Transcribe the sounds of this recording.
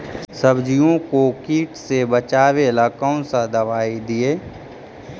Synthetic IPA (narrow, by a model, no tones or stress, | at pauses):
səbd͡ʒijõkokiːʈsebət͡ʃaːʋelakɔ̃ʊ̃sad̪ɐʋaːid̪ieː